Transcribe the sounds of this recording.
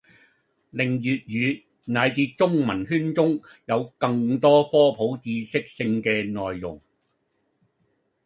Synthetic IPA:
lɪ˨˩ŋjyː˨t̚jyː˨˧ | naː˨˧jt̪iː˧t̚t͡sʊ˥ŋmɐ˨˩nɦyː˥nt͡sʊ˥ŋjɐ˨˧wkɐ˧ŋt̪ɔː˥fɔː˥pʰo˨˥wt͡siː˧sɪ˥k̚sɪ˧ŋkɛː˧nɔː˨˩jːʊ̰˨˩ŋ

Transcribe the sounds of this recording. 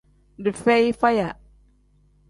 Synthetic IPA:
di˨fɛ˦jfa˦ja˨

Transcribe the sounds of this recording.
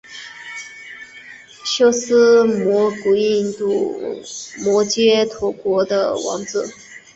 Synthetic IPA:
ɕjo˥ʊsɹ̩˥mwɔ˧˥ku˨˩i˥˧nt̪u˥˩ | mwɔ˧˥t͡ɕjɛ˥t̪ʰwɔ˧˥kwɔ˧˥d̪ə̰˧wɑ̰˧˥ŋt͡sɹ̩˥˩

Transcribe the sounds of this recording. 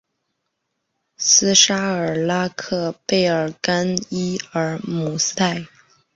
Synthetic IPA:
sɹ̩˥ʂa˥ə˞˨˩la˥kʰɤ˥˧pe˥˩ɪə˞˨˩ka˥ni˥ə˞˧˥mu˨˧˩s̩˥t̪a˥˩ɪ

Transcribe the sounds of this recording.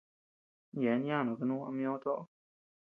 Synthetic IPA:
jɛ˨˦nja˥˦˨nɔ˨kə˧nũ˦a̰˧m˦jɔ˦t̪ɔ˦˨

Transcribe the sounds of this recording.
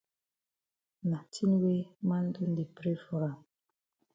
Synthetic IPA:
na˨tʰi˦nwe˦ma˦n˦du˦n˦di˨pɾe˦fɔ˦ɾa˨m

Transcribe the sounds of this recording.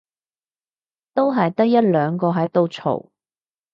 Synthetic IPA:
t̪o˥wɦɐ˨jt̪ɐ˥k̚jɐ˥t̚lœː˨˧ŋkɔː˧ɦɐ˨˥jt̪o˨˧wt͡ʃʰo̰˨˩w

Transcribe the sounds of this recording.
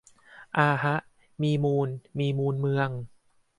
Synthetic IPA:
ʔaː˧ɦa˦˥ʔ | miː˧muː˧nmiː˧muː˧nmɯ˧əŋ

